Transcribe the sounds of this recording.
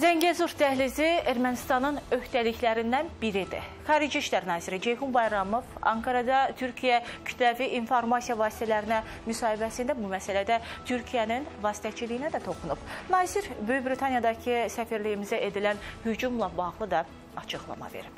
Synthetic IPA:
zæɲɟezuɾt̪ʰæhlizieɾmænist̪ɑnɯnø̞ht̪æliçlæɾind̪ænbiɾid̪ḭχɑːɾid͡ʒiiʃlæɾnɑːziɾid͡ʒe̞jhumbɑjɾɑmo̞vɑ̰ŋkʰɑɾɑd̪ɑt̪ʰyɾcʰijæcʰy̥t̪ʰlæviʔinfo̞ɾmɑsijɑvɑːsi̥t̪ʰælæɾinæ | mysɑːhibæsind̪æbumæsælæd̪æt̪ʰyɾcʰijæninvɑːsi̥t̪ʰæt͡ʃʰilijinæd̪æt̪ʰo̞xunub̥nɑːziɾbøjybɾit̪ʰɑnjɑd̪ɑcʰɯsæfiɾlijimizæʔe̞d̪ilænhyd͡ʒumlˠɑbɑʁlˠɯd̪ɑ | ɑt͡ʃʰɯɣlˠɑ̰mɑ̰vḛɾip

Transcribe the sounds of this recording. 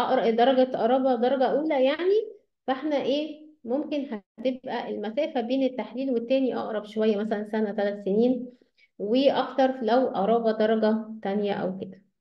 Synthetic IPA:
ʔɑʔɾd̪ɑɾˤɑɡæʔɑɾˤɑːbɑd̪ˤɑɾˤɑɡɑʔuːlæjaʕni | fʔeħnæʔeːmomkenhæt̪ebʔæʔelmæsæːfæbeːnet̪ːaħliːlwet̪ːæːniʔɑ̰ʔɾˤɑbʃowæjːæmæsælænsænæt̪ælæt̪seniːn | weʔɑkt̪ɑɾˤfilæwʔɑɾˤɑːbɑd̪ɑɾˤɑɡɑt̪ænjæʔæ̰wked̪æ

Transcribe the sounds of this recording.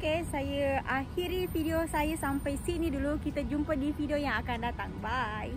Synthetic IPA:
okesajəʔahiɾifideosajəsampajsinidulukit̪ad͡ʒumpədifideojaŋakandat̪aŋbai

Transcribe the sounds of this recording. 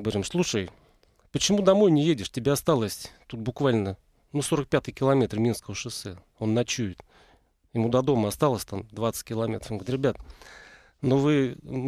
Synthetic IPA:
ɡəvɐɾʲimslˠuʂəj | pət͡ɕɪmud̪ɐmo̞jnʲɪjedʲɪʂtʲɪbʲeɐst̪alˠəsʲt̪ut̪̚bʊkvalʲnə | nuso̞ɾək̚pʲat̪ɨjkʲɪlˠɐmʲet̪rmʲinskəvəʂɨsɛ | o̞nːɐt͡ɕuɪt̪ | jɪmud̪ɐd̪o̞məɐst̪alˠəsʲt̪amd̪vat̪sə̥tʲkʲɪlˠɐmʲe̞t̪ɾəfɡt̪ɾʲɪbʲat̪̚ | novɨ

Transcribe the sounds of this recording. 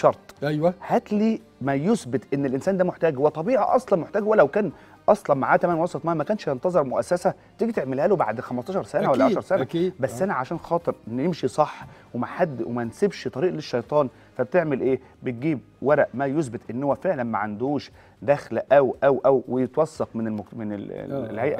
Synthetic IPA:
ʃɑɾˤt̪ˤæjwhæt̪liː | mæjosbet̪ʔenːelʔensæːnd̪æmoħt̪æːɡwet̪ˤɑbiːʕḭʔɑ̰sˤlɑnmoħt̪æːɡhwælæwkæːn | ʔɑsˤlɑnmaʕaːt̪æmæːnwɑsˤɑt̪ˤmæːmækæːnʃjent̪ɑzˤeɾˤmoʔæ̰sːæsæ | t̪iːɡit̪eʕmelhæːloba̰ʕd̪xæmɑsˤt̪ɑːʃɑɾˤsænæwælːæʕaʃɑɾˤsænæbæsːʔænæʕaʃæːnxɑːt̪ˤɨɾenjemʃisˤɑħːwemæħad̪ːwḛmænsebʃt̪ˤɑɾiːʔleʃːɑjt̪ˤɑːn | fæb̚t̪eʕmelʔeː | bet̪̚ɡiːb̚ | wæɾˤæʔmæjos̬bet̪ʔenːhowːæfeʕlænmæʕand̪uːʃ | d̪æxlʔæwʔæwʔæwwejet̪wɑsːɑqmenemmenḛlhæjʔæ̰

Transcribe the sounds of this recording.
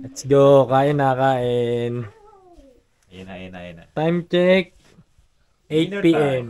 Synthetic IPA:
ɛt̪sɡokaːʔɪnakaɛn | t̪ajmt͡ʃɛk̚ | ejt͡ʃpiɛm

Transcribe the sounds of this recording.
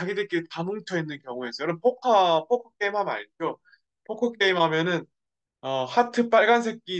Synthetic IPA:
t͡ɕaɡidɯk͈iɾɯtamɯŋt͡ɕʰʌinːɯnkjʌŋue̞s͈ʰʌjʌɾʌpʰokʰapʰokʰʌk͈̚e̞imɦama̰ɲt͡ɕo | pʰokʰʌk͈e̞imɦamjʌnɯn | ʌhatʰɯp͈aɭɡans̬ʰe̞k̚k͈i

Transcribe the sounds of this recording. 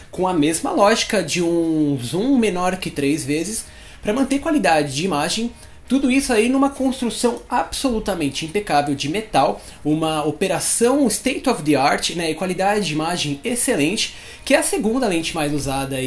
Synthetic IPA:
kõɐmezmɐ̰lɔʒikɐd͡ʒɪũzũmenɔɾkɪt̪ɾejzvezɪs | pɾɐmɐ̃nt̪eɾkwalid̪ad͡ʒɪd͡ʒɪimaʒẽj̃ | t̪ud̪ʊisʊainũmɐkõst̪ɾusɐ̃w̃absolut̪ɐmẽnt͡ʃɪĩpekavewd͡ʒɪmet̪aw | ũmɐopeɾasɐ̃w̃ɪst̪ejt̪ɔfd̪ɪaɾt͡ʃɪnɛɪkwalid̪ad͡ʒɪd͡ʒɪimaʒẽj̃eselẽnt͡ʃɪ̥ | kɪɛɐseɡũnd̪ɐlẽnt͡ʃɪmajzuzad̪ɐ

